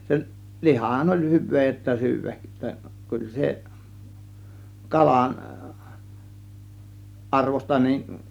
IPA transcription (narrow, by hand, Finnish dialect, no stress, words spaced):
sel̆ lihɑhɑn olʲ hyʋˑeː j tːæ syːʋæk kyl se kɑlɑn ʔɑrʋostɑ nin